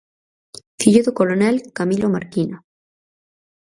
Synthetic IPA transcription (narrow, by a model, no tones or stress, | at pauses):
fiʎuðokolonelkamilomaɾkina